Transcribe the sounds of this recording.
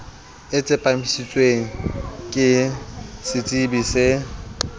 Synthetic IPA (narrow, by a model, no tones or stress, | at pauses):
ɪt͡sʼɪpʼam̩ʃit͡sʼweŋ̩kʼɪsɪt͡sʼibisɪ